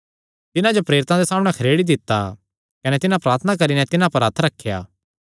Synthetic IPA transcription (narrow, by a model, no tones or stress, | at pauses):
t̪ɪnãd͡ʒopɾeːɾɪt̪ãd̪esaːmɽ̃ɛkʰɐɾeːɽid̪ɪt̪ːa | kɐnɛt̪ɪnãpɾaːɾt̪ʰənak̬ɐɾinɛt̪ɪnãpɐɾɐt̪ʰɾɐkʰːja̰ː